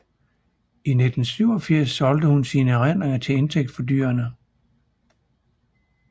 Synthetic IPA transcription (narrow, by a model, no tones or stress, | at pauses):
ine̝d̥n̩syʊɒ̽fiɐ̰sːɒ̽ld̥əhunsiːnəæʁen̰ʁeŋɐt͡sʰe̝le̝nt͡sʰeɡ̥̚d̥fɒ̽dy̰ːɐnə